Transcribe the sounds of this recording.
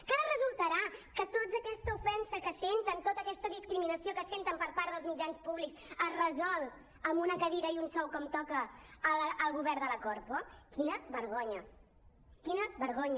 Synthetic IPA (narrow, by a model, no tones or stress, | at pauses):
kaɾərəzulˠt̪əɾakət̪od͡zəkɛst̪əufɛnsəkəsent̪ənt̪ot̪əkɛst̪əðiskɾiminəsiokəsent̪əmpəɾpaɾðəlˠzmid͡ʒanspuβliksəzrəzɔlˠ | əmunəkəðiɾəiunsɔwkɔmt̪ɔkəːlʔəlˠɣuβɛɾðələkɔɾpokinəβəɾɣoɲə | kinəβəɾɣoɲ